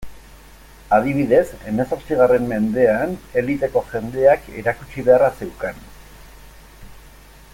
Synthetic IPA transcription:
að̞iβ̞iðe̞se̞me̞so̞ɾt͡siɣ̞are̞mːe̞nd̪e̞ane̞lit̪e̞ko̞ʝe̞nd̪e̞ake̞̰ɾakut͡ʃiβe̞arase̞wkan

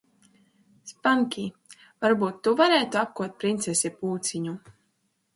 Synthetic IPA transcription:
spaŋkʲi | vaɾbuːt̪ːuvaɾɛːt̪uap̚kuɔt̪̚pɾint̪sesʲipuːt̪sʲiɲu

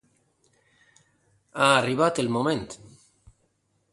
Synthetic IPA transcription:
aːriβat̪elmõmẽnt̪

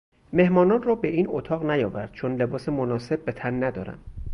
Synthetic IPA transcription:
me̞hmɒːnɒːnrɒːbe̞ʔiːnot̪ʰɒːɣnæjɒːvæɾd̪̥̚t͡ʃʰonle̞bɒːsemonɒːse̞bːe̞t̪ʰænːæd̪ɒ̰ːɾæ̰m

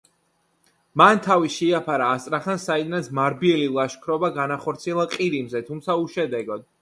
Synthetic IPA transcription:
mant̪ʰaviʃiapʰaɾaːst̪sʼɾaχansaid̪nat̪sʰmaɾbiɛlilˠaʃkʰɾɔbaɡanaχɔɾt̪sʰiɛlˠaqʼiɾimzɛt̪ʰumt̪sʰauʃɛd̪ɛɡɔd̪̥

